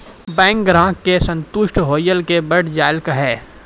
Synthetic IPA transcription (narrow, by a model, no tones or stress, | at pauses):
bɛ̃ːŋkɡɾãːkːesɐ̃nt̪ʊʃʈɦoːjəlkebəɽd͡ʒaːɪlkaɦɛː